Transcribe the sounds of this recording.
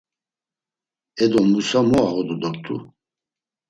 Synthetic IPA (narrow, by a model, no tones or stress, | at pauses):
ɛd̪ɔmusamɔaɣɔd̪ɔd̪ɔɾt̪ʰʼu